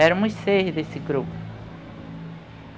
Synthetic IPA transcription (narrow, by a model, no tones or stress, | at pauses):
ɛɾmuisehiðesiɡɾup